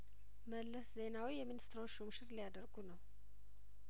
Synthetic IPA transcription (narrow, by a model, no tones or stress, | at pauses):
məlːəsze̞nawijɛminist̪ʰɾoʃumʃɨɾlijad̪əɾɡunəw